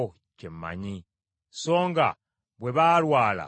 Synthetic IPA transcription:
cemːa̰ɲi | so̞ːŋɡa̰ | βwe̞βalwaːla̰

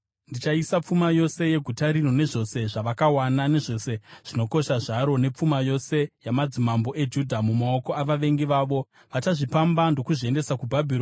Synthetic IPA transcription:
ndit͡ʃaisap͡fumajo̞se̞je̞ɡʱutaɾinone̞ʐo̞se̞ʐaʋakawanane̞ʐo̞se̞ʐ̥inoko̞ʃaʐaɾo̞ne̞p͡fumajo̞se̞jamad͡zimambo̞ʔe̞d͡ʒudʱamumao̞ko̞aʋaʋe̞ŋɡiʋaːʋo̞ | ʋat͡ʃaʐipambandokuʐie̞nde̞sakubʱabʱiro

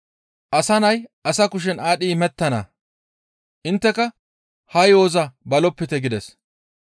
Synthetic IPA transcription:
ʔɐsɐnɐjʔɐsɐkʊʃ̬ɛnaːɗiːmɛt̪ːɐnɐ̰ | ʔɪnt̪ːɛkɐ | hɐjoːzɐbɐlɔpːɪt̪ɛɡɪd̪ɛs

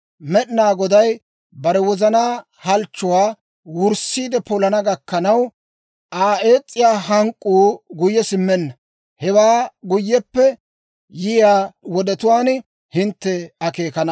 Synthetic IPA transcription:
mɛɗnaːɡɔd̪ɐj | bɐɾɛwɔzɐnaː | hɐlt͡ʃːʊwaː | wʊɾsiːd̪ɛpɔlɐnɐɡɐkːɐnɐw | ʔaːʔeːt͡sʼːɪjaːɦɐŋkʼːuːɡʊjːɛsɪmːɛnːɐ | hɛwaːɡʊjːɛpːɛ | jɪjaːwɔd̪ɛt̪ʊwaːn | hɪnt̪ːɛɐke̞ːkɐnɐ

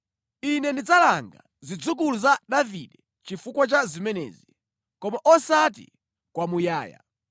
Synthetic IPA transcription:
inɛndid͡zalaŋɡa̰ | zid͡zuk̬uluzaɗaviɗɛ | t͡ʃifukwat͡ʃazimɛnɛ̰ːzi | kɔmaʔɔsat̬ḭ | kwamujaːja̰

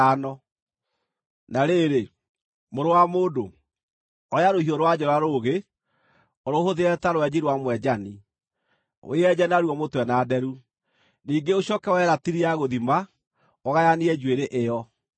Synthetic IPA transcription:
anɔ | naɾeɾe | moɾowamoːdo | ɔɾeaɾohioɾowad͡ʑɔɾwaɾoɣe | ɔɾohoðeɛtaɾowɛd͡ʑiɾwamwɛd͡ʑani | o̰eɛd͡ʑɛnaɾuwɔmotwɛnaːdɛɾu | niːŋɡeoɕɔkɛwɛɾatiɾiaɣoðima | ɔɣajaniɛd͡ʒweɾeʔejɔ

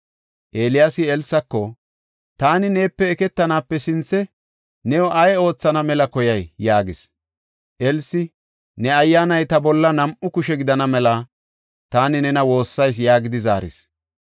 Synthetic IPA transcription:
ʔeːlɪjaːsɪɛlsɐkːɔ | t̪aːnɪneːpːɛːkɛt̪ːɐnaːpːɛsɪnt͡sːɛ | nɛwɔʔɐjo̞ːt͡sːɐnɐmɛlɐkɔjɐjjaːɡɪs | ʔɛlsɪ | nɛɐjːaːnɐjt̪ɐbɔlːɐnɐmʔʊkʊʃɛɡɪd̪ɐnɐmɛlɐ | t̪aːnɪnɛnɐwo̞ːsːɐjs̬jaːɡɪd̪ɪza̰ːɾɪ̰s

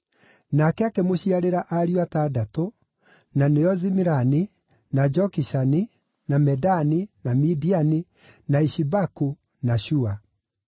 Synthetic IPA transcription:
nakɛakemoɕiaɾeɾaʔaɾiwatadato | naneɔzimiɾani | nad͡ʒɔkiʃani | namɛdaninamidiani | naiɕibaku | naɕua

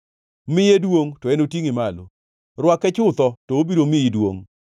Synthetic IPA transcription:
mɪjedwoŋtɔɛnotiŋɪmalo̰ | rwakɛt͡ʃʊt̪ɔtɔobiɾomɪidwo̰ŋ

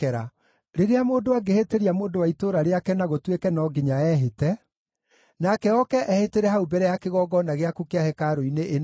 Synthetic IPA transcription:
ɛɾa | ɾeɾeamoːndowaɡeheteɾiamoːndowaitoːɾaɾeakɛnaɣotwekɛnɔɡeɲaɛːɦetɛ | nakɛɔkɛʔɛheteɾɛhaubɛɾɛjakeɣɔːɡɔnaɣeakukeahɛkaɾoineʔen

